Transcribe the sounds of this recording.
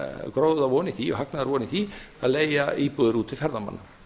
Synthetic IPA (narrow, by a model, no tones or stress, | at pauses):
kɾowððavɔːnɪθiɔ̰ɣhaknaðaɾvɔːnɪθi | a̰ðleːjaiːpuðʏɾuːt̪ʰɪlfɛɾðama̰nːa